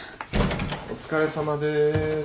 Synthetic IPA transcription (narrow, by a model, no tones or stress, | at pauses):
o̰t͡sɨ̥kaɾe̞samad̪e